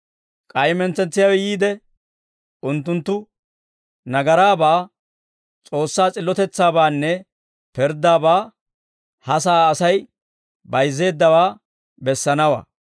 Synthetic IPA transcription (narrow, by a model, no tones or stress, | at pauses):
kʼɐjmɛnt͡sɛnt͡sːɪjawɛjiːd̪ɛ | ʊnt̪ːʊnt̪ːʊ | nɐɡɐɾaːbaː | t͡sʼo̞ːsːaːt͡sʼɪlːɔt̪ɛt͡sːaːbaːnːɛ | pɛɾd̪aːbaː | hɐsaːsɐj | bɐjzːe̞ːd̪ːɐwaː | bɛsːɐnɐwɐ̰